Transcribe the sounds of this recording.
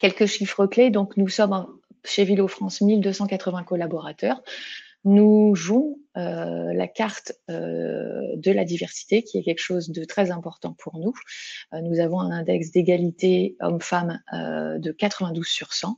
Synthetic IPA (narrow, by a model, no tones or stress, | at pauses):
kʲɛlkəʃifχəkled̪ɔ̃knusɔm | ʃevilofχɑ̃smild̪øsɑ̃kat̪χəvɛ̃kɔlabɔʁat̪œːʁ | nuʒɔ̃øla̰kaʁt̪ø̰ | d̪əlad̪ivɛʁsi̥t̪ekʲiɛkʲɛlkə̥ʃozd̪ət̪χɛzɛ̃pɔʁt̪ɑ̃pʰuʁnuønuzavɔ̃ɛ̃nɛ̃d̪ɛksd̪eɡalit̪eɔ̰mfamø̰d̪əkat̪χəvɛ̃d̪uz̥syʁsɑ̃